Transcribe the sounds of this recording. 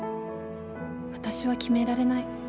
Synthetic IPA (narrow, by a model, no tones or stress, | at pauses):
βat̪aɕiβakʲime̞ɾaɾe̞nai